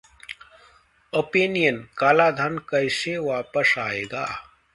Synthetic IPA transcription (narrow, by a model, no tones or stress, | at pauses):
oːpenijənkaːlaːd̪ʱənkɐjseʋaːpəsaːeːɡaː